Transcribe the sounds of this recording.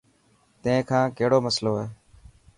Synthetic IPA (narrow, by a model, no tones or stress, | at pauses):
t̪ẽẽːkʰãːkeɦɽoːməsloːɦeː